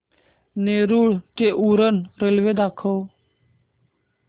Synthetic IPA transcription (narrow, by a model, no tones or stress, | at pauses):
neːɾuːɭteʔuːɾənɾelʋed̪aːkʰow